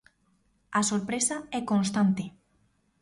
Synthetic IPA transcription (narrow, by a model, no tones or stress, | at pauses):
asoɾpɾesaɛkonst̪ant̪ɪ